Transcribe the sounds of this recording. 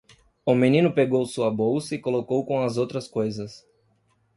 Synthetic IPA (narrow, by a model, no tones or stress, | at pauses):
ʊmĩnĩnʊpeɡowsuɐbowsɐɪkolokowkõw̃ɐzowt̪ɾɐskojzɐs